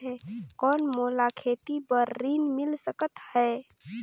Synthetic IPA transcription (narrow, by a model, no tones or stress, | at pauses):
ɦɛːkɔːnmoːlakʰeːt̪ibəɾːiːnmɪlsəkət̪hɛː